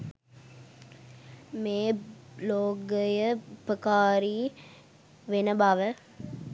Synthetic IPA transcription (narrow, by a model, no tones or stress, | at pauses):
meːloːɡəjəpəkaːɾiː | ʋenəbaʋə